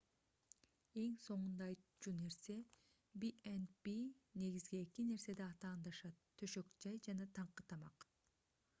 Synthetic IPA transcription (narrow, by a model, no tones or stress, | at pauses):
e̞ŋso̞ɴund̪ɑjt͡ʃune̞ɾse̞ | biʔenbine̞ɡizɡiːkine̞ɾse̞d̪iɑt̪ɑːnd̪ɑʃɑt̪ʰːø̞ʃø̞kd͡ʒɑjd͡ʒɑnɑt̪ʰɑɴqɯt̪ʰɑmɑq